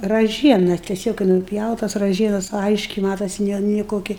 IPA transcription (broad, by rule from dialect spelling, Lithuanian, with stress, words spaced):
rɐˈʒʲiɛnɐ tʲɛˈsʲoːk kɐɪ nʊˈpʲjɛʊtɐs rɐˈʒʲiɛnɐs ˈɐɪʃʲkʲɛɪ ˈmɑːtoːsʲɪ ˈnʲɛ nʲɪ ˈkoːkʲɪ